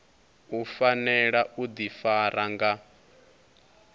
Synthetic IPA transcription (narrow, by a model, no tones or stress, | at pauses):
ufanɛɺaʔud̪ifaɾaŋɡa